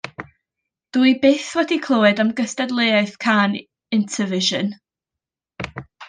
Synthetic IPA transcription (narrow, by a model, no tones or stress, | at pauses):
d̥uːjbeːθwɛdikʰlˠoːɨdamɡəstadlˠeaɨθkʰan | ɪntʰəvɪʒən